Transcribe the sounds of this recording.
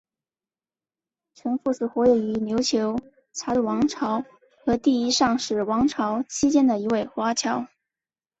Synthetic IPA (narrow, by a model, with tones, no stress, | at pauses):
ʈ͡ʂʰə˧˥ŋfu˥˧sɹ̩˨˩xwɔ˧˥je˧˩y˧˥njo˧˥ʊt͡ɕʰjo˧˥ʊ | t͡sʰa˧˥lwɑ˧˥ŋʈ͡ʂʰɑ˧˥ʊ | xɤ˧˥t̪i˥˩i˥ʂɑ˥˧ŋʂɻ̩˥˩wɑ˧˥ŋʈ͡ʂʰɑ˧˥ʊt͡ɕʰi˥t͡ɕjɛ˥nd̪ə˨i˧˥we˥˩ɪxwa˥t͡ɕʰjɑ˧˥ʊ